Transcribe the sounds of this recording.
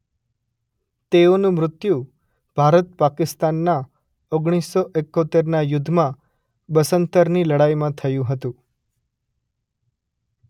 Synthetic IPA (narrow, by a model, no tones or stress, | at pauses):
t̪eonũmɾʊt̪ju | b̥ʱaɾət̪̚pakɪst̪anːa | oɡɽ̃isːɔʔekːot̪eɾnajʊd̪ʱːmã | bəsənt̪əɾniləɽajmãt̪ʰəjũɦət̪ũ